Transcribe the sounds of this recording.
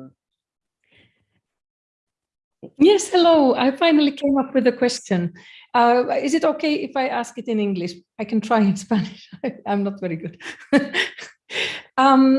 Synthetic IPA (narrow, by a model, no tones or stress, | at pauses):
jɛshɛloʊa̰ɪfãɪ̃nl̩ˠikʰẽɪ̃mʌpwɨðɨkʰw̥ɛst͡ʃɨ̃nʌɪzɨɾoʊkʰeɪʔɪfaɪʔæskɨtɨ̃nɪ̃ŋɡlɪʃ | aɪkɨ̃n̩tʰɹ̥aɪɨ̃nspænɪʃaɪãɪ̃mnətvɛɹiɡʊd̥ | ʌ̃m